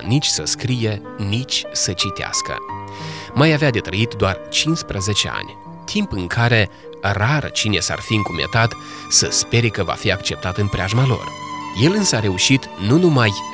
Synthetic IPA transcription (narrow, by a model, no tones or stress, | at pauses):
nit͡ʃʲsəskɾije̞ | nit͡ʃʲsət͡ʃit̪ea̰skə̰ | majavead̪e̞t̪ɾəit̪d̪oart͡ʃinspɾəze̞t͡ʃe̞̰a̰nʲ | t̪ʰimpɨŋkʰaɾe̞ | rart͡ʃine̞sa̰rfiɨŋkumḛt̪at̪ | səspe̞ɾekəva̰fiakt͡ʃe̞p̚t̪at̪ɨnpɾʲeaʒmalo̞̰rje̞lɨnsəaɾe̞uʃit̪nunumaj